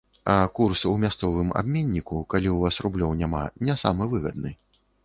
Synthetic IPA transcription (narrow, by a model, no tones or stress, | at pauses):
ɐkursumʲast̪sɔvɨma̰bmʲenʲːikukalʲiuvasrublʲɔwnʲama̰nʲɛsa̰mɨvɨɣɐ̰d̪̚nɨ